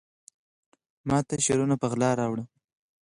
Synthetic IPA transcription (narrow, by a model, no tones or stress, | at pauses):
mɑt̪aʃeɾunapəɣlɑɾɑwɽə